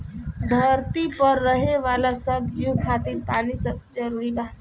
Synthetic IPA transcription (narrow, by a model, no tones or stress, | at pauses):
d̪ʱəɾt̪ipəɾːəɦeʋaːlasəbd͡ʒukʰaːt̪iːɾpaːnisəb̚d͡ʒəɾuːɾiba